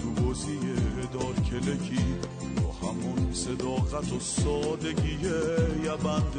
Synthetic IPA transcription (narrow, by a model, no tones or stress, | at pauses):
ubozijeed̪ɒːɾkʲʰelekʰiːt̪ʰɔːhæmɔnsed̪ɒːɣæt̪ʰosɒːd̪eɡijejæbænd̪